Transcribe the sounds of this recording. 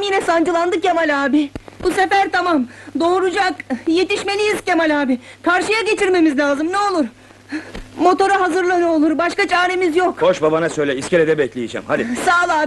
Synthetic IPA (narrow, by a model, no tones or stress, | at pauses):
mjinɛsand͡ʒɯlˠand̪ɯkjamalʲaːbɪb̥use̞fæɾt̪ʰamamd̪o̞ːɾud͡ʒakje̞t̪ʰiʃme̞lʲijizcemalʲaːbɪkʰaɾʃɯjaɟe̞t͡ʃʰiɾme̞mizlʲaːzɯmnɛo̞lˠuɾ | mo̞t̪o̞ɾaɦazɯɾlˠanɯolˠuɾbaʃkat͡ʃʰaːɾe̞mizjokho̞ʃbabanasøjlʲɛiskceɾɛd̪ɛbɛclʲejid͡ʒɛ̰mhad̪isaːlˠaːb